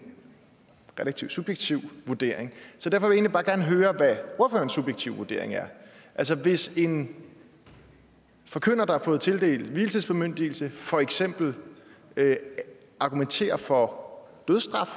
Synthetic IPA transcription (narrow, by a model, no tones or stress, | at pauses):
ʁɛlæ̥t͡sʰiʊsub̥jeɡ̥̚t͡sʰiʊʋuɐd̥e̝̰ɐ̰eŋsɒd̥æɐfɒʋje̝ːnlibɑ̈ːɡ̥æɐnəɦøːɐʋæo̝ɐfø̰ːɐnsːub̥jeɡ̥̚t͡sʰiʊ̰ʋuɐd̥e̝ɐ̰e̝ŋæɐʔælsəʋe̝se̝n | fɒ̽kʰøn̰ɐd̥ɑhɑɐfɔ̽ːð̞̩ˠt͡sʰe̝ld̥e̝̰ːlʋilt͡sʰiðˠsb̥emøn̰d̥iːl̩səfɒ̽eɡ̥sem̰b̥l̩ø | ʔɑ̈ɡ̥ument͡sʰe̝̰ːɐfɒ̽d̥øð̞ˠsd̥ʁɑ̈f